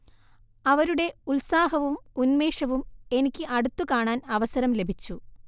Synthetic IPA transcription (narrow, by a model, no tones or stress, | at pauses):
ɐʋɐɾuɽe̞ulsaːɦɐʋumunme̞ːʂɐʋume̞nikʲːɨʔɐɽut̪ːukaːɳaːnɐʋɐsɐɾɐmle̞bʱit͡ɕːu